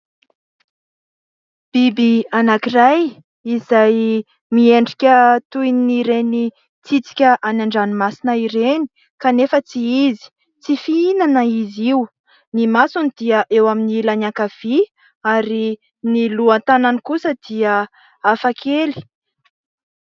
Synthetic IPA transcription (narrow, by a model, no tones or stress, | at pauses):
b̥ibianakiraj | izaj | mieɳɖ͡ʐikʲət̪ujniɾeni | t͡sit͡si̥kʲəʔanaɳɖ͡ʐanimasinəiɾeni̥ | kanefət͡siizi̥ | t͡sifiinanəiziu | nimasunid̪̥iəʔewaminilanakav̥i | aɾi | niluant̪ananikusəd̪̥iə | afakʰeli̥